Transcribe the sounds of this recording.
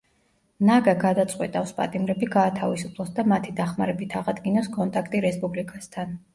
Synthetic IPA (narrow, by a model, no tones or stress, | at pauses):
naɡaɡad̪at̪sʼqʼwɛ̰t̪ʼafspʼa̰t̪ʼimɾɛbiɡaːt̪ʰavisupʰlˠɔsd̪amat̪ʰid̪aχmaɾɛbit̪ʰaʁad̪ɡinaskʼɔnt̪ʼakʰt̪ʼiɾɛspʼublikʼast̪ʰan